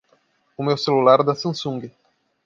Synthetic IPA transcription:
ʊmewselulaɾd̪ɐsɐ̃sũŋɡɪ

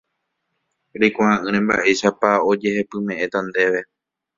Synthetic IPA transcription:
ɾijkʷaãʔɨ̃ɾ̃ẽmba̰ʔe̞ʃapao̞d͡ʒe̞he̞pɨmẽ̞ʔẽt̪and̪e̞ʋe̞

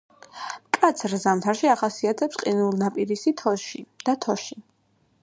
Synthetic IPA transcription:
mkʼat̪sʰɾzamt̪ʰaɾʃiaχasiat̪ʰɛpsqʼinulˠnapʼiɾisit̪ʰɔʃid̪̥at̪ʰɔʃi

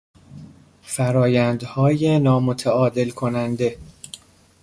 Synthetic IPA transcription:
fæɾɒːjænd̪hɒːje̞nɒːmo̞t̪ʰæɒːd̪e̞lkʰo̞nænd̪e̞

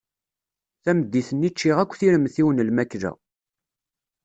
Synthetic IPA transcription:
θæməd̪ːiθənːit͡ʃːiʁækʷːθiɾəmθiwənəlmækːɾæ̰

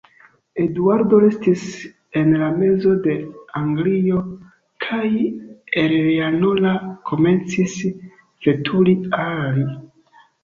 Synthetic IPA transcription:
e̞duaɾdo̞ɾe̞stis | e̞nlame̞zo̞de̞aŋɡlio̞ | kʰajeɾanolakʰo̞me̞nt͡sis | v̥e̞tʰulial

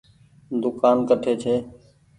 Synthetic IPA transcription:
d̪ʊkaːnkəʈʰeːt͡ʃʰeː

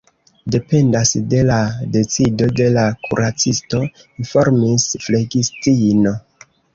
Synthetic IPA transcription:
de̞pe̞ndasde̞lade̞t͡sido̞de̞lakʰṵɾʔat͡sisto̞ | info̞ɾmisfle̞ɡistino̞

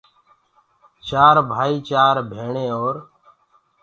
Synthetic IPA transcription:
t͡ʃaːɾbʱaːiːt͡ʃaːɾbʱeːɳeːoːɾ

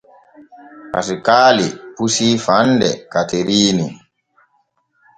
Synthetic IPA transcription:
ha̰sikaːlipusifandɛ̰kateɾiːni

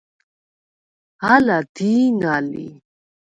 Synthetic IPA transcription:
halad̪iːnalḭ

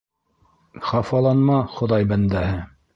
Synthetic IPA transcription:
χɑfɑlˠɑnmɑχŏðɑjbænd̪æhɘ

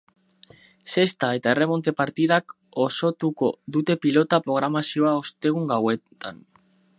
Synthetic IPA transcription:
se̞st̪ae̞t̪ae̞re̞mo̞nt̪e̞paɾt̪iðak | o̞so̞t̪uko̞ðut̪e̞pilo̞t̪apɾo̞ɣ̞ɾamasio̞aost̪e̞ɣ̞uŋɡawe̞t̪an

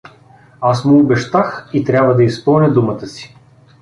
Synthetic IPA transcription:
asmʊːbɛʃt̪axit̪ɾʲabvəd̪ɐispəlˠnʲəd̪umət̪əsi̥

